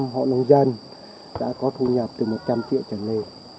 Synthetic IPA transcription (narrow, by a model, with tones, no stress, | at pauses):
mɦɔ̰˧˨nə˧wŋ͡mza˧n | ɗa̰ː˧˥kɔ˨˦t̪ʰu˧ɲa˨˩p̚t̪ɨ˨˩mo˨˩t̚t͡ɕa˧mt͡ɕḭ˧˨əwt͡ɕa˨˩le˧